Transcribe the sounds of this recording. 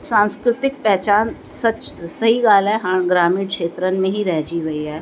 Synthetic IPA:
sãːnskɾɪt̪ɪk̚pɛɦt͡ʃaːnsɐt͡ʃsɐɦiɡaːlɛɦaɳ̃ɡɾaːmiːɽkʃeːt̪ɾənmẽɦiɾɛɦd͡ʒiʋɐiɦɛː

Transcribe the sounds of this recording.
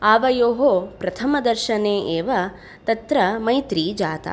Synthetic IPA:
aːʋɐjoːɦoːpɾɐt̪ʰɐmɐd̪ɐɾʃɐneːʔeːʋɐ | t̪ɐt̪ɾɐmɐjt̪ɾiːd͡ʒaːt̪ɐ̰

